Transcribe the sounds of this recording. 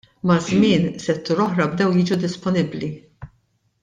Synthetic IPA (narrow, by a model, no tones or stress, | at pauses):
mɐzmɪːnsɛt̪ːuːɾɔħɾɐbd̪ɛwjiːd͡ʒud̪ɪspɔnɪbli